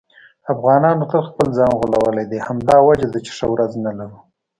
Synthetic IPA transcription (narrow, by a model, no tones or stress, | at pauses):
afɣɑnɑnot̪əlxpəlzɑnɣulawəled̪ehamd̪ɑwad͡ʒad̪ət͡ʃɪ̥ʂawɾaznalaɾu